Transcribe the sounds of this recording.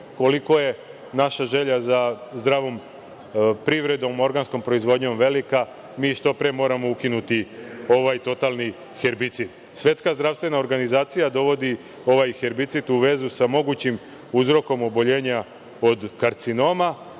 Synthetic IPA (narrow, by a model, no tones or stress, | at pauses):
ko̞liko̞je̞ | naʃaʒe̞ʎazazd̪ɾaːʋo̞m | pɾiʋɾe̞d̪o̞mo̞ɾɡansko̞mpɾo̞izʋo̞d̪ɲo̞mʋe̞lika | miːʃt̪o̞pɾemo̞ːɾamo̞ukinut̪io̞ʋajt̪o̞t̪alˠni | xeɾbit̪sid̪ | sʋje̞t̪skazd̪ɾaʋst̪ʋe̞naoɾɡanizaːt̪sijad̪o̞ʋo̞d̪i | o̞ʋajxe̞ɾbit̪sit̪uʋe̞zusamo̞ɡut͡ɕim | uzɾo̞ko̞mo̞bo̞ʎe̞ːɲa | o̞d̪kaɾt̪sino̞ma